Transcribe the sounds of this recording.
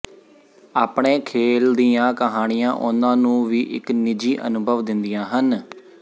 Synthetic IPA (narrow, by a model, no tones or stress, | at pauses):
aːpɳeːkʰeːld̪ijãːkəɦaːɽɪjã̰ːʔʊnãːnũːʋiːʔɪ̰knɪd͡ʒiːʔə̰nʊbʱəʋd̪ɪnd̪ijãːɦən